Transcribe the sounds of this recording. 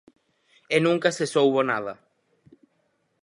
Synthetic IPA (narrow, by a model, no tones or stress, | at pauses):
enũŋkasesowβonað̞a